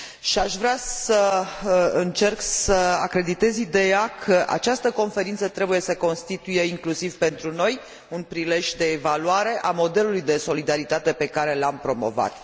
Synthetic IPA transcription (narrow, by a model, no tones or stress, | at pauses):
ʃiaʃvɾeassə | ɨnt͡ʃe̞rksəakɾe̞d̪it̪e̞zid̪e̞jakʰəʔa̰t͡ʃast̪əko̞nfe̞ɾint̪sət̪ɾe̞buje̞səko̞nst̪it̪uje̞iŋklusivpe̞nt̪ɾuno̞j | unpɾile̞ʒʲd̪e̞ːvaluaɾe̞ʔamo̞d̪e̞lulujd̪e̞so̞lid̪aɾit̪at̪e̞pe̞kaɾe̞lampɾo̞mo̞̰va̰t̪